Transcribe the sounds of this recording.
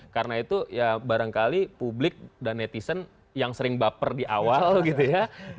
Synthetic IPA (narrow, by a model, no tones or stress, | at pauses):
kaɾənait̪ujabaɾaŋkalipublɪk̚danet̪isən | jaŋsəɾɪŋbapərdiʔawalɡit̪uja